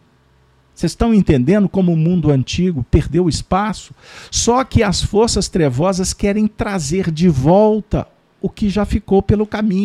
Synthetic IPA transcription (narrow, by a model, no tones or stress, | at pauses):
sezst̪ɐ̃w̃ẽnt̪ẽnd̪ẽnd̪ʊkõmʊːmũnd̪ʊɐ̃nt͡ʃiɡʊpeɾd̪ewɪspasʊ̥sɔkɪɐsfoɾsɐst̪ɾevɔzɐskɛɾẽj̃t̪ɾazeɾd͡ʒɪvɔwt̪ɐ̰ | ʊkɪʒafikowpelʊkamĩɲ